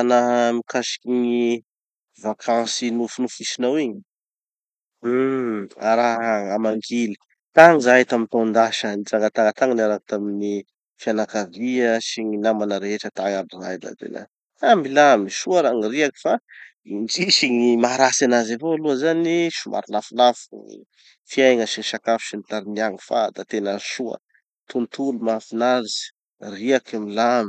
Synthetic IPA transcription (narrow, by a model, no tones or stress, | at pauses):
anaɦmikaʃi̥kʲiŋi | vakʰãsinufunufisinawiɲi̥ | aɾaɦamaŋɡili̥ | t̪aŋzaɦt̪amint̪and̪aʃənizaŋɡat̪aŋət̪aŋənaɾakut̪amini | fianakaviəʃiɲinamanəɾeeʈ͡ʂət̪aŋadiɾajd̪a̰d̪ḛna̰ | amilamiʃuəɾaŋiriaki̥fa | ind͡ʒiʃiŋimaɾasanazavoaluəzaniʃuma̰ɾilafulafŋḭ | fiajŋəsiɲiʃakafi̥ʃinit̪aɾiniaŋifad̪at̪enəʃuə̰ | t̪unt̪ulumafinaɾiz̥ | riakamilami̥